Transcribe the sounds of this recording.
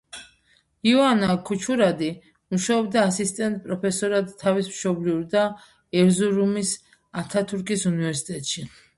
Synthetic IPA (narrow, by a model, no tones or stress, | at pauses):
iɔanakʰut͡ʃʰuɾad̪i | muʃaɔbd̪aːsist̪ʼɛnt̪ʼpʼɾɔpʰɛsɔɾad̪t̪ʰːavismʃɔbliuɾd̪a | ɛɾzuɾumis | at̪ʰat̪ʰuɾkʼisunivɛɾsi̥t̪ʼɛt̪ʼʃi